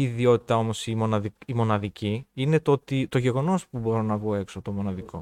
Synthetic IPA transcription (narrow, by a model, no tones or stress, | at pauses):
iðio̞t̪i̥t̪ɐo̞mo̞simo̞nɐðiimo̞nɐðiciine̞t̪ot̪it̪o̞ʝe̞ɣo̞no̞spubo̞ɾonɐvɣoe̞ksot̪o̞mo̞nɐðikʰo̞̰